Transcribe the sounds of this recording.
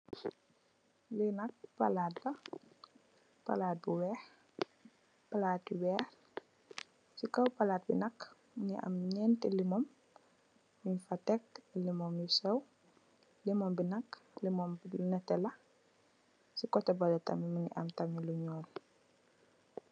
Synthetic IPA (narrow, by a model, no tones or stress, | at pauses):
linɐk̚palaːtlɐ | pa̰laːt̚buwɛːx | palaːt̚biwɛːɾ | sikɐwpalaːt̚bḭnɐk | niʔɐ̰mɲɛntɛlimɔm | miɲfatɛk̚limɔmjisɛw | limɔmbinɐkːlimɔmbnɛtɛlɐ | sikɔtɛbɐlɛtɐmiminḭʔɐmtɐmiluɲɔːl